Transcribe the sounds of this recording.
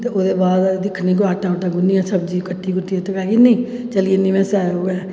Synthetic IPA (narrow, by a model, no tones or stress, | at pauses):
t̪eːoːd̪eːbaːd̪d̪ɪkʰnĩːk̬oaːʈãoʈ̪ãːɡʊnːiːãːsəbd͡ʒiːkəʈːiːkʊʈːiet̪əkaːkinẽː | t͡ʃəlieːnĩːmẽːsɛːoːẽː